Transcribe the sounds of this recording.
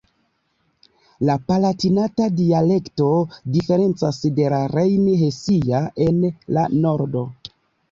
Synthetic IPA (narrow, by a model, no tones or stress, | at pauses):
lapalatinatadiale̞kto̞dife̞ɾe̞nt͡sasde̞laɾejnɦe̞siaʔe̞nlano̞ɾdo̞